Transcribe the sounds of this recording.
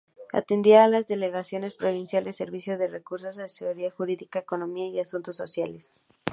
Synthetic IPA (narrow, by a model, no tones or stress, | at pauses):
a̰t̪end̪iaːlazðe̞le̞ɣasjo̞ne̞spɾo̞β̞insjald̪ese̞ɾβisjo̞ðe̞re̞kuɾso̞zae̥esoɾiaxuɾiðikaeko̞no̞miaiasunt̪o̞sːo̞sjale̞s